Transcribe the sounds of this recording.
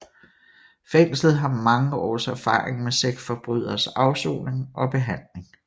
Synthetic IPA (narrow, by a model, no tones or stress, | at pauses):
feŋ̰slð̞̩ˠɦɑ̈mɑ̈ŋəɒ̰ːsæɐfɑ̰̈ːʁeŋmeseɡ̥sfɒ̽b̥ʁyð̰ˠɐsɑ̈ʊso̝̰ːne̝ŋɒ̽b̥e̝ɦæn̰le̝ŋ